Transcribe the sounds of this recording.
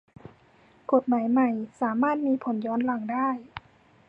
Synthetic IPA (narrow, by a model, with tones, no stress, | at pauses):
ko˨˩t̪̚maː˩˦jma˨˩jsaː˩˦maː˥˩t̪̚miː˧pʰo˩˦njɔː˧˥nla˨˩ŋdaː˥˩j